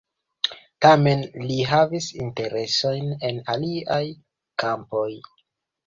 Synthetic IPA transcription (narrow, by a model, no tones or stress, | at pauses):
tame̞nliɦavisinte̞ɾe̞so̞jne̞naliaj | kampo̞j